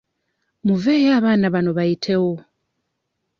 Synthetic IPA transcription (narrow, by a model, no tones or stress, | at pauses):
muvɛjaβanaβanoβaitʰewo